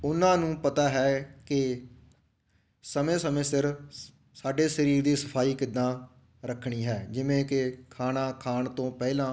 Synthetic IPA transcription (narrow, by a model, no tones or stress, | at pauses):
ʊnãːnũːpət̪aːɦɛːkɪ | səmẽːsəmẽːsɪɾ | saːɖeːsəɾiːɾd̪iːsəpʰaːiːkɪd̪ːãː | ɾəkʰɳ̃iːɦɛːd͡ʒɪʋẽːkɪkʰaːnaːkʰaːɳt̪õːpɛːlãː